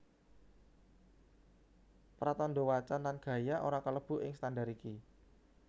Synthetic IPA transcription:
pɾat̪ɔndowat͡ʃanlanɡ̥ä̤jaʔo̰ɾakələb̥ṳʔɪŋst̪andaɾiki

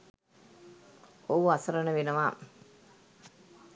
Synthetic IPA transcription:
oɐsɐɾɐnəʋenɐʋaː

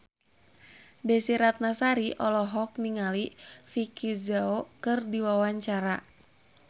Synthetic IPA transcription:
dɛsiɾat̪̚nasaɾiʔɔlɔɦɔk̚niŋalifikizaokɨrdiwawaɲt͡ʃaɾa

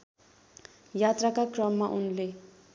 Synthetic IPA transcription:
jat̪rakakrʌmːaʔunle

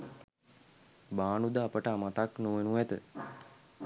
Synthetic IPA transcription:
baːɳud̪aːpəʈamat̪aknoʋenuet̪ə

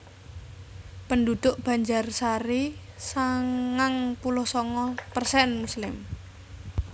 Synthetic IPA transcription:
pəndud̪̥ʊʔb̥ä̤ɲd͡ʒarsaɾisaŋŋaŋpulʊhsɔŋɔpərsɛnmuslɪm

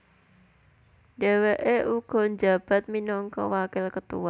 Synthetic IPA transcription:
deweʔeʔuɡ̥ɔ̤ɲd͡ʒab̥a̤t̪̚minɔŋkɔ̰wakɪlkət̪ṵwa

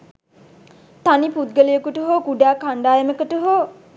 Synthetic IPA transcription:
t̪anipud̪̚ɡəlijəkuʈəɦoːkuɖaːkaɳɖaːjəməkəʈuɦo

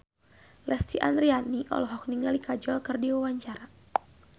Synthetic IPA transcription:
lʔɛst̪iʔa̰nd̪ɾianiʔɔ̰lɔɦɔk̚niŋɡalikad͡ʒɔlkɨrdiwawaɲt͡ʃaɾa

